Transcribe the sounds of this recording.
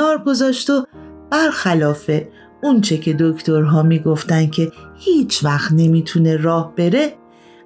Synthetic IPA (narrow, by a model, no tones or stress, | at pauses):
ɒːɾɡo̞zɒːʃt̪ob̥æɾxælɒːfe̞ | unt͡ʃʰecʰe̞d̪okʰt̪ʰo̞ɾɦɒːmiːɡoft̪ænd̪̚cʲʰe̞hiːt͡ʃʰvæxt̪ne̞miːt̪ʰune̞ɾɒːhb̥e̞ɾe̞